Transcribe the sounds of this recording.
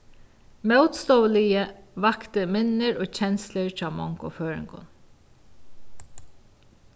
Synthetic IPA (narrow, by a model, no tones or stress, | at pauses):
mœwt̪st̪ɔːwlɪjəʋakt̪əmɪnːɪɹoːt͡ɕʰɛnsləɹt͡ʃɑːmɔŋkʊføːɹɪ̰ŋkʊ̰n